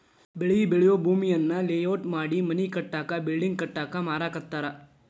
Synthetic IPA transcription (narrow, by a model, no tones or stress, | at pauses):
beɭibɪɭjobʱuːmiənːaleːjoːʈmaːɽimɐnikəʈːakabɪlɖɪ̃ŋɡ̚kəʈːakamaːɾakɐɾt̪aːɾaː